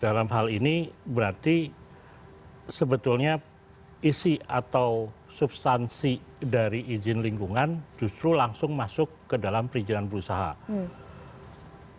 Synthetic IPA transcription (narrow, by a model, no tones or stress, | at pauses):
d̥alamɦalinibəɾart̪i | səbət̪ʊlɲa | isiat̪aw | subst̪ansi | daɾiʔid͡ʒɪnliŋɡuŋand͡ʒust̪ɾulaŋsʊŋmasʊkːədalampɾid͡ʒinanbəɾusaɦa̰